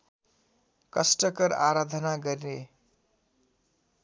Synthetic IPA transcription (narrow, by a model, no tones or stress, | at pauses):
kʌsʈʌkʌɾa̰ɾad̪ʱʌnaɡʌɾine